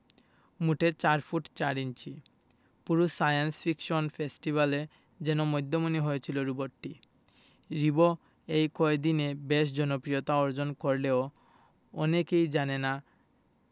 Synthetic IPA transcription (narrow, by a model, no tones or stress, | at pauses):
muʈet͡ɕaɾfʰuʈt͡ɕaɾint͡ɕʰi | puɾusajansfikʃonfʰesʈibale | d͡ʑɛnomojd̪ʱːomuniɦojet͡ɕʰiloɾuboʈːi | ɾibo | ejkɔed̪inebeʃ̬d͡ʑɔnopɾijot̪aɔɾd͡ʑonkoɾleo | ɔnekejd͡ʑanena